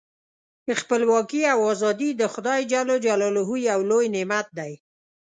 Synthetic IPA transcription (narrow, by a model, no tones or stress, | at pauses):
əxpəlwɑkiawɑzɑd̪id̪əxʊd̪ɑjd͡ʒalod͡ʒalɑlɦujawlojnɪmat̪̚d̪aj